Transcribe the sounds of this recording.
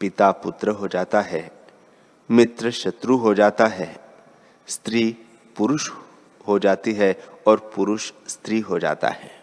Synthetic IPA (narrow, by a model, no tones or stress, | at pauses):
pɪt̪apʊt̪ɾəɦod͡ʒaːt̪aɦɛː | mɪt̪ɾəʃɐt̪ɾuɦod͡ʒaːt̪aɦɛː | st̪ɾiː | pʊɾʊʃ | ɦod͡ʒaːt̪iɦɛɔːɾpʊɾʊʃst̪ɾiːɦod͡ʒa̰ːt̪a̰ɦɛː